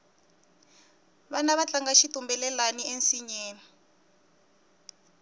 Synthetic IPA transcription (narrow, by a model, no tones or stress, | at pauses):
βanaβat͡ɬaŋɡaʃitumbɛlɛlaniensiɲeːni